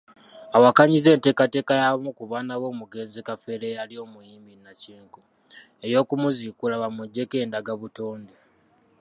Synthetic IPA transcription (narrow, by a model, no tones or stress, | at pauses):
awakaɲize̞ːnte̞ːkate̞ːkajamukuβaːnawo̞ːmuɡe̞ːnzikafe̞lealio̞mujiːmbinːaciːŋku | e̞jo̞ːkumuzikulaβamuɟːe̞ke̞ːndaɡaβutoːnde